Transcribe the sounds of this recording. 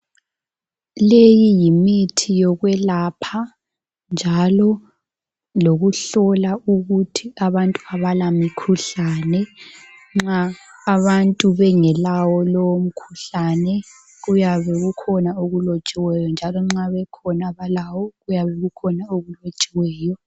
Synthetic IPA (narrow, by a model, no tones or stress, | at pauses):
lejijimitʰijɔɣwɛlapʰa | nd͡ʒʱalɔ | loɣuɬɔlauɣutʰiaβantʼuaβalamikʰuɬanɛ | ŋ͡ǁaːβantʼuβɛŋɛlawɔlowm̩kʰuɬanɛ | ɣujaβɛɣukʰɔnaoɣulot͡ʃʼiwɛjɔnd͡ʒʱalɔŋ͡ǁaβɛkʰɔnaβalawɔɣujaβɛɣukʰɔnaoɣulot͡ʃʼiwɛːjɔ